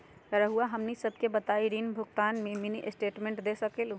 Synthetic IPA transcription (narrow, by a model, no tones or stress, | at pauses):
ɾəɦuaɦəmnisəb̚ʱkebət̪aiɾinbʱuɡt̪anmeminiʔesʈeʈmẽɳʈd̪esəkelũ